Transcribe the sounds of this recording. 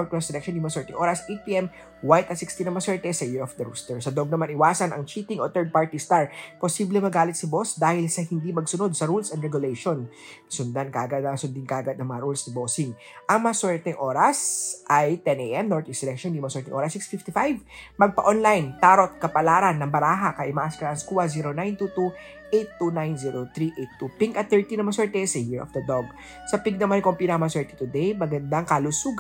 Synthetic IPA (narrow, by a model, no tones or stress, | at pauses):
ɹt̪wɛssɛlɛk̚ʃonjʊmɐɐsɛɹt̪ɪŋʔoːɾɐsʔejt̪̚piʔɛm | wajt̪ɐsikst̪inɐmɐswɛɹt̪ɛsɐjɪɹɔfd̪ɐɾṵːst̪ɛɹsɐd̪oɡ̚nɐmanɪwaːsɐnɐ̰ŋt͡ʃiːt̪ɪŋʔot̪ɛɹd̪̚paɹt̪ɪst̪aɹposiːblɛmɐɡaːlɪt̪̚sɐbosd̪aːhɪlsɐhɪnd̪imɐɡsʊnod̪̚sɐɾulsɐndɾɹɛɡʊlɛjʃon | sʊnd̪ankaːɡɐd̪ɐsʊnd̪ɪnkaːɡɐd̪̚nɐŋmɐŋɐɾulsnɐboːsɪŋ | ʔɐŋmɐɐsɛɹt̪ɛŋʔo̞ːɾɐsʔɐjt̪ɛnʔejʔɛmnoɹt̪ɪksɛlɛk̚ʃɔnd̪imɐsɛɹt̪ɪŋʔoːɾɐsːiksfift̪ifajvmɐɡ̚pɐʔonlajnt̪aːɾot̪̚kɐpɐlaːɾɐnːɐŋbɐɾaːɦakɐʔɪmaʔaspɛɾɐnskuːɐziːɾonajnt̪ut̪u | ʔejt̪ːunajnziːɹot̪ɾiʔet̪ːupiŋkɐt̪θɛɹt̪inɐmɐsɛɹt̪ɛsɐhiɹʔɔ̰fd̪ɐd̪oɡ̚ | sɐpiɡ̚nɐmankompinɐŋmɐɐsɛɹt̪i̥t̪ʊd̪ɛjmɐɡɐnd̪aŋkɐlʊsuːɡ